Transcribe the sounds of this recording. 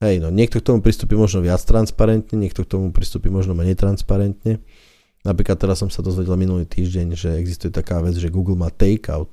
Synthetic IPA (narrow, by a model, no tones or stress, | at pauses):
ɦɛjnɔɲɪɛk̚t̪ɔkt̪ɔmupɾist̪uːpimɔʒnɔʋɪat͡st̪ɾanspaɾɛnt̪ɲɛɲɪɛk̚t̪ɔk̚t̪ɔmupɾist̪uːpimɔʒnɔmɛɲɛjt̪ɾanspaɾɛnt̪ɲɛ | napɾiːklat̪ːɛɾasːɔmsad̪ɔzʋɛɟɛlminuliːt̪iːʒɟɛɲʒɛɛɡzist̪ujɛt̪akaːʋɛd͡zʒɛɡuːɡl̩maːt̪ɛjka̰ʊt̪̚